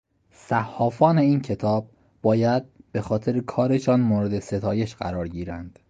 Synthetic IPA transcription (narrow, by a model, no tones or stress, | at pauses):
sæhːɒːfɒːne̞iːncʰe̞t̪ʰɒːb̥̚ | bɒːjæd̪̚b̥e̞xɒːt̪ʰe̞ɾekʰɒːɾe̞ʃɒːnmoːɾe̞d̪e̞se̞t̪ʰɒːje̞ʃɢæ̰ɾɒːɾɟiːɾænd̪̥